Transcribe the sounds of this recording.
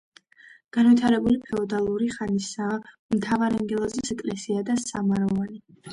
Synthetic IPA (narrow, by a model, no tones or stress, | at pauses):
ɡ̥anvit̪ʰaɾɛbulipʰɛɔd̪alˠuɾiχanisa | mt̪ʰavaɾaŋɡɛlˠɔzɛsɛkʼlɛsiad̪asamaɾɔvani